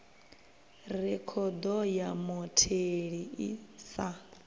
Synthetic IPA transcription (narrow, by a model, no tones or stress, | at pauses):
rɛkʰɔd̪ɔjamɔtʰeɺiisa